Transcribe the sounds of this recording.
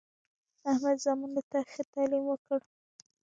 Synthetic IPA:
ahmad̪zɑmund̪ət̪axet̪ɑlimwəkəɽ

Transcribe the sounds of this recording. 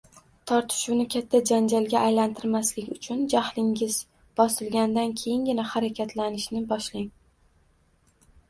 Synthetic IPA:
t̪ʰɒɾt̪ʰɪ̥ʃuwnɪkʲʰat̪ʰːad͡ʒand͡ʒalɡʲaʔːjlant̪ʰɪɾmaslɪkʲʊt͡ʃʰʊnd͡ʒahlɪŋʲɪz | b̥ɒsɪlɡʲand̪ankʲʰejɪŋɡʲɪnahaɾakʲʰat̪ʰlanɪʃnɪbɒʃlɪŋ

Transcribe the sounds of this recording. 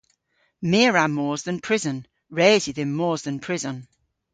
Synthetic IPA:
mɪəɹamɔːzðə̃npʰɹ̥ɪzə̃n | ɹeːzɪðɪ̃nmɔːzðə̃npʰɹ̥ɪzə̃n

